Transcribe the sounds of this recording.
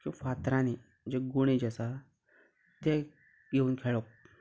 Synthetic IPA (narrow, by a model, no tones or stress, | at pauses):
kĩfat̪ɾãni | d͡ʑeɡuɳ̃id͡ʑasa | t̪e | ɡeuːnkʰeɭɔk̚